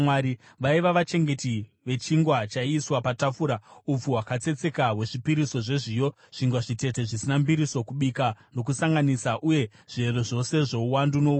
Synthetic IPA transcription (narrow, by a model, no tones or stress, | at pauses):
waɾi | ʋaiʋaʋat͡ʃe̞ŋɡe̞ti | ʋe̞t͡ʃiŋɡwat͡ʃaiːswapatafuːɾaup͡fuwakat͡se̞t͡se̞kawe̞ʐipiɾiso̞ʐe̞ʐijo̞ | ʐ̥iŋɡwaʐite̞te̞ʐisinambiɾiso̞kuɓikano̞kusaŋɡanisaʔuje̞ | ʐ̥eroʐo̞se̞ʐo̞uwandunou